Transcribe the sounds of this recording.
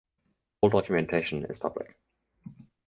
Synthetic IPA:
lˠdɒkʰjəmɛ̃ntʰeɪʃə̃nɪ̰z̥pʰʌblɪ̰k

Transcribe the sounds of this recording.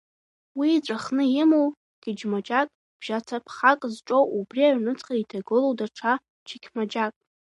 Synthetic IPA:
wiːt͡sʷʼaχnɨjɪmow | ɡ̥ʲɪd͡ʒmad͡ʒakʼ | b̥ʒ̥at͡sʰapʰχakʼzʈ͡ʂʼowʔubriaɥnɨt͡sʰʼχʼaitʰaɡɨlowdaʈ͡ʂʰa | t͡ʃʰikʲʰmad͡ʒakʼ

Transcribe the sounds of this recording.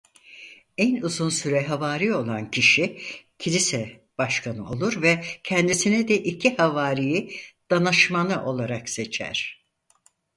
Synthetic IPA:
ænuzunsyɾɛɦavaːɾio̞lˠancʰiʃicʰilʲisɛ | b̥aʃkʰanɯʔo̞lˠuɾvɛcʰɛnd̪isinɛd̪ɛʔicʰihavaːɾijid̪̥anɯʃmanɯʔo̞lˠaɾakse̞t͡ʃʰæ̰ɾ̥

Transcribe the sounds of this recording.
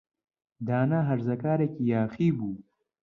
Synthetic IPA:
d̪aːnaɦɐɾzɐkaːɾekijaːxibu

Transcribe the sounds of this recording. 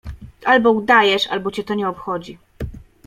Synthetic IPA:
ʔalbɔud̪ajɛʂa̰lbɔt͡ɕɛt̪ɔɲɛɔpxɔd͡ʑi

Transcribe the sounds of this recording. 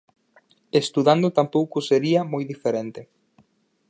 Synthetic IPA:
est̪uðand̪ʊt̪ampowkʊseɾiɐmojðifeɾent̪e

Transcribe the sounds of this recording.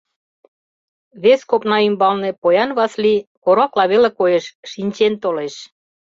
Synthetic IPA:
βeskopnɑymbɑlnepojɑnβɑslikoɾɑklɑβelekojeʃʃinʲt͡ɕent̪oleʃ

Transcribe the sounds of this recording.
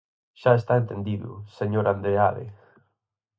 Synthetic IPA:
ʃaest̪aent̪end̪iðʊ̰seɲoɾand̪ɾealḛ

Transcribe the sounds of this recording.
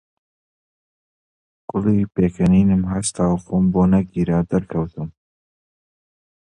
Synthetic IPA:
kʊlipeːkʰɐniːnɨmɦast̪ʰaːwfoːmboːnɐɡiːɾad̪ɐɾkʰɐwt̪ʰɨm

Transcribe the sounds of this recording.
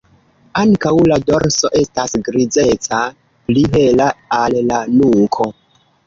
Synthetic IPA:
aŋkawladoɾso̞ʔe̞stasɡɾid͡ze̞t͡sa | pliɦe̞laːlːanuŋkʰo̞

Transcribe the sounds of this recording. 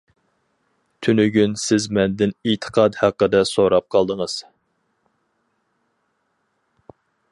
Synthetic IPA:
t̪ʰynyɡʲynsɪzmɛnd̪ɪnit̪ʰə̥qʰɑd̪hæqːəd̪ɛsoɾɑp̚qʰɑlˠd̪əŋəz̥

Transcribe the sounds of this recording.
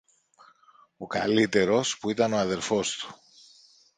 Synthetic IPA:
o̞kɐlit̪e̞ɾo̞spuit̪ɐno̞ɐðe̞ɾfo̞st̪u̥

